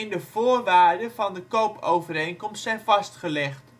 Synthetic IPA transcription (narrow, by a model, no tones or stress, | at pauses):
ndəv̥oːɹʋaːɹdəvɑndəkowpowvəɾejnkɔmstsɛjnvɑstχəlɛχt